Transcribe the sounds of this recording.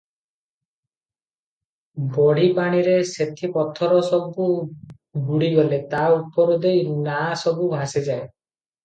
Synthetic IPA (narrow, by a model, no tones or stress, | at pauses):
bɔɽ̤ipaɽ̃iɾeset̪ʰipɔt̪ʰːɔɾɔsɔbu | ɡuɽiɡɔlet̪aupɔɾɔd̪ejnasɔbubʱased͡ʒae